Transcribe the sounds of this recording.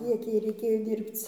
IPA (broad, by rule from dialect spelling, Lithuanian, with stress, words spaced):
ˈkʲiɛk ˈjɛɪ rʲɛɪˈkʲeːjoː ˈdʲiːrpt͡s